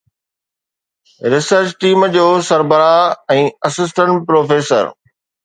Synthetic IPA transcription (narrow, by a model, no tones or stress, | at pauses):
ɾɪsəɾt͡ɕʈiːmd͡ʑoːsɐɾbəɾaɛ̃ːɐsɪs̬ʈə̃ɳʈ̚pɾoːfeːsə̰ɾ